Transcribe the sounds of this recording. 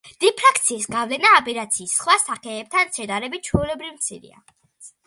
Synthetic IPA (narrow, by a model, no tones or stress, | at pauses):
d̪̥ɛpʰɾakʰt̪sʰiːsɡavlɛnaːbɛɾat̪sʰiːsːχwasaχɛːb̚t̪ʰansɛd̪aɾɛbit̪̚t͡ʃʰwɔulɛbɾivmt̪sʰḭɾḭa̰